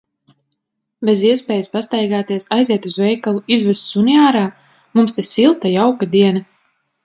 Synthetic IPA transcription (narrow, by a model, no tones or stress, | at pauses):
beziɛspɛːjaspast̪ajɡaːt̪iɛsajziɛt̪uzvɛjkalˠuizvɛst̪suniaːɾaː | mumst̪esilˠt̪ajawkad̪iɛna